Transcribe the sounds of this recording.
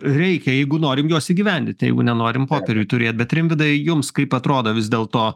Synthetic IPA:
ɾʲɛɪkʲɛjɛɪɡʊnoːɾʲɪmjuɔsiːɡʲiʋʲɛnʲd̪ʲɪnt̪ʲjɛ̰ɪɡʊnʲɛnoːɾʲɪmpoːpʲɛɾʲut̪ʊɾʲeːt̪̚ʲbʲɛt̪ɾʲɪmʲʋʲɪd̪ɐjʊmskɐɪpɐt̪ɾoːd̪oːʋʲɪzd̪ʲeːlˠt̪oː

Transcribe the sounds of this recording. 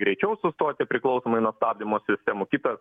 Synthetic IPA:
ɡɾʲɛɪt͡ʃʲɛʊsʊst̪oːt̪ʲɪpʲɾʲɪklˠɐʊsoːmɐɪnɐst̪ɑːb̚ʲd̪ʲɪmoːsʲɪsʲt̪ʲeːmʊkʲɪt̪ɐs

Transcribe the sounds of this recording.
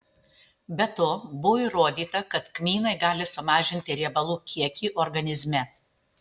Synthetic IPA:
bʲɛt̪oːbʊʋiːɾoːd̪ʲiːt̪ɐkɐt̪kmʲiːnɐɪɡɑːlʲɪsʊmɑːʒʲɪnʲt̪ʲɪɾʲiɛbɐlˠuːkʲiɛkʲiːʔɔɾɡɐnʲɪzʲmʲɛ

